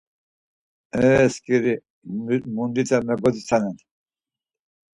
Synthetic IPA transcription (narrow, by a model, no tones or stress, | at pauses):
ɛskʼiɾi | mund̪it͡sʼɛmɛɡɔd̪it͡sʰanɛn